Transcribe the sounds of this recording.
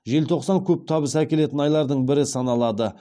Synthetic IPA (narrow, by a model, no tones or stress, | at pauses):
ʒe̞lt̪ʰo̞qsɑŋkʲʰɵp̚t̪ʰɑbəsækʲe̞le̞t̪ɪnɑjlˠɑɾd̪əɴbɪɾɪsɑnɑlˠɑd̪ə